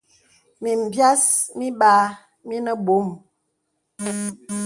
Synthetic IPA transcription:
mi˨m̩˨bja˦smi˦ɓaː˨˦ | mi˦nə˦ɓo˨˦m

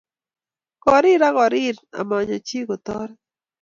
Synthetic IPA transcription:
kɔ˨ɾɪ˦ɾa˦ɣɔ˨ɾɪ˦ɾa̰˨mɔ˨ɲɔ˨t͡ʃi˦ɡo˨t̪ɔ˦ɾ

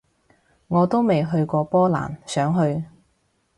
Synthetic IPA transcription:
ŋɔː˨˧t̪o˥wme˨jɦɵ˧ɥkʷɔː˧pɔː˥la̰ː˨˩nsœː˨˥ŋɦɵ˧ɥ

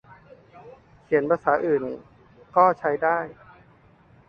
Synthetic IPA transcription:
kʰi˨˩˦npʰaː˧nsaː˩˦˥ʔɯː˨˩n | kɔː˥˩t͡ɕʰa˧jdaː˥˩j

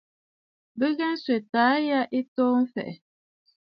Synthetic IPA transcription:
bə˦ɡa˦n̩˦swe˨taː˨˦ja˦ʔi˦toː˦m̩˦fɛ̰˨ʔɛ˨

